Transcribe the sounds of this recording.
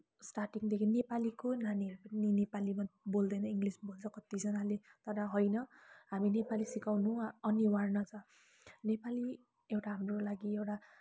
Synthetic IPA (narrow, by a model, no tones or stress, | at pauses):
sʈarʈiŋd̪ekʰinepalikonanipʌnninepalimabold̪ʌjnʌiŋɡlisbolt͡sʰʌ̃kʌt̪id͡zʌnalet̪ʌɾʌɦʌjnʌɦaminepalisikawnũʌniwarnʌt͡sʌ | nepali | ewʈaɦamrolaɡiewʈa